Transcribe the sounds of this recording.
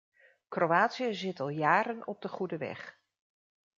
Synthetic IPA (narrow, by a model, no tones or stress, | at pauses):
krowaːtsiəzɪtɑlˠjaːɾənɔb̚dəχudəʋɛ̰χ